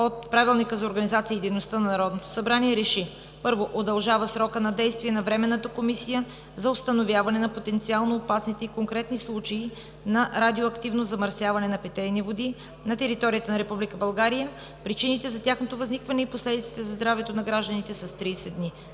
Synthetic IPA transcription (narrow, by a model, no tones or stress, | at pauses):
ot̪̚pɾavilˠnikəzɐoɾɡənizat̪siəːd̪ɛjnost̪ənɐnɐɾɔd̪not̪o̥sɐbɾaniɛɾɛʃi | pɤɾvoʔod̪ɐlˠʒavəsɾɔkənɐd̪ɛjst̪viɛnɐvɾɛmɛnːət̪əkomisijə | zɐost̪ɐnovʲjavɐnɛnɐpot̪ɛnt̪sialˠnoːpasnit̪ɛikoŋkɾɛt̪nislˠut͡ʃɐi | nɐɾad̪ioɐkt̪ivnozɐmɐɾsjavɐnɛnɐpɛt̪ɛjnivod̪i | nɐt̪ɛɾit̪ɔɾijət̪ənɐɾɛpublikəbɐlˠɡaɾijə | pɾit͡ʃinit̪ɛzɐt̪ʲjaxnot̪ovɐznikvɐnɛiposlɛd̪it̪si̥t̪ɛzɐzd̪ɾavɛt̪onɐɡɾaʒd̪ənit̪ɛsɐst̪ɾiːsɛd̪ni